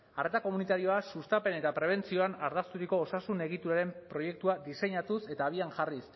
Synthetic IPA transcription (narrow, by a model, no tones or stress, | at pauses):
are̞t̪ako̞munit̪aɾio̞asust̪ape̞ne̞t̪apɾe̞β̞e̞nt͡sio̞anaɾðast̪uɾiko̞ːsasune̞ɣ̞it̪uɾaɾe̞mpɾo̞je̞k̚t̪uad̪ise̞ɲat̪use̞t̪aːβ̞iaŋʝaris